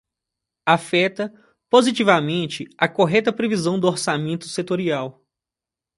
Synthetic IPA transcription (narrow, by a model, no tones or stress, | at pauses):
afɛt̪ɐ | pozit͡ʃivɐmẽnt͡ʃɪɐkoɦɛt̪ɐpɾevizɐ̃w̃d̪ʊoɾsamẽnt̪ʊ̥set̪oɾiaw